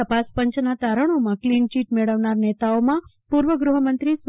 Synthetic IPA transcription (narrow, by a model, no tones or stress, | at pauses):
əpaspəɲt͡ʃnat̪aɾəɳ̃omãklint͡ʃiʈmeɭəʋnaɾnet̪aomã | puɾʋəɡɾuɦəmənt̪ɾis